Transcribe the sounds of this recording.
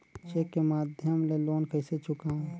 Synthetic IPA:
t͡ʃekːemaːd̪ʱjəmleloːnkʰəɪset͡ʃʰʊkaɦũ

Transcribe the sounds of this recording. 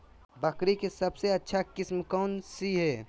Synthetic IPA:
bəkɾikesɐbseɐtːʃʰakɪsmkɔːnsiɦɛː

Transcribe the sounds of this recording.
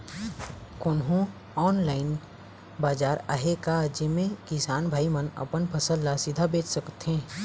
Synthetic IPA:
kʊnɦũ | ɔːnlaːɪn | baːd͡ʒaːɾa̰ːɦekad͡ʒɪmẽkɪsaːnbʱaːimənɐ̰pənpʰəsəlːasɪd̪ʱabeːt͡ʃsəkt̪ɦẽː

